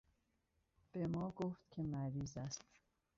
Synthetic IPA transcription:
b̥emɒːɡoft̪cʲʰe̞mæɾiːzæst̪

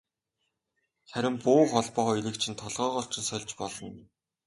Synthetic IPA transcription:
χæɾʲɪ̆mpʊːχɔɮpɔːiɾɘ̆kt͡ɕʰĭnt̪ʰɔɮʁœːʁɔɬt͡ɕɪ̆nsœɮʲt͡ɕpɔɮɞ̆n

